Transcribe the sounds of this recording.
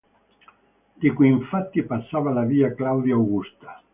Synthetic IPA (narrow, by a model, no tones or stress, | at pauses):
d̪̥ikiiɱfat̪ːipasːaːvalaviːaklawd̪jawɡust̪ḁ